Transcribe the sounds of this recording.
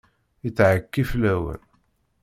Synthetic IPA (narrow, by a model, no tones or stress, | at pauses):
it͡sːʕəkːiflæwə̰ɾ